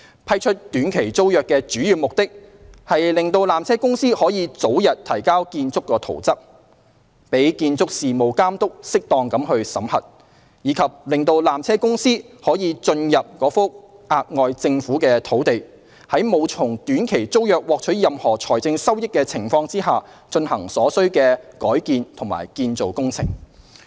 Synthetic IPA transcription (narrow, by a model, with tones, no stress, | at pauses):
pʰɐ˥jt͡ʃʰɵ˥t̚t̪yː˨˥nkʰe˨˩jt͡so˥wjœː˨kːɛː˧t͡ʃyː˨˥jyː˨˩mʊ˨k̚t̪ɪ˥k̚hɐ˨jlɪ˨ŋt̪o˧wlaː˨mt͡sʰɛː˥kʊ˥ŋsiː˥hɔː˨˥jiː˨˧t͡so˨˥wjɐ˨t̚t̪ʰɐ˨˩jkaː˥wkiː˧nt͡sʊ˥kːɔː˧t̪ʰo̰˨˩wt͡sɐ˥p̚ | pe˨˥jkiː˧nt͡sʊ˥k̚siː˨mo˨wkaː˥mt̪ʊ˥k̚sɪ˥k̚t̪ɔː˨ŋkɐ˨˥mhɵ˧ɥsɐ˨˥mhɐ̰˨˩t̚ | jiː˨˧˥kʰɐ˨p̚lɪ˨˩ŋt̪o˧wlaː˨mt͡sʰɛː˥kʊ˥ŋsiː˥hɔː˨˥jiː˨˧t͡sɵ˧njɐ˨p̚kɔː˨˧˥fʊ˥k̚ʔaː˧k̚ŋɔː˧jt͡sɪ˧ŋfuː˨˥kɛː˧t̪ʰo˨˥wt̪e˨j | hɐ˨˥jmo˨˧wt͡sʰʊ˨˩ŋt̪yː˨˥nkʰe˨˩jt͡so˥wjœː˨k̚wɔː˨k̚t͡ʃʰɵ˨˥jɐ˨mhɔː˨˩t͡sʰɔː˨˩jt͡sɪ˧ŋsɐ˥wjɪ˥kːɛː˧t͡sʰɪ˨˩ŋfɔː˧ŋt͡siː˥ɦaː˨ | t͡ʃɵ˧nhɐ˨˩ŋsɔː˨˥sɵ˥ɥkɛː˧kɔː˨˥jkiː˨nt̪ʰʊ˨˩ŋma̰ː˨˩jkiː˧nt͡so˨wkʊ˥ŋt͡sʰɪ̰˨˩ŋ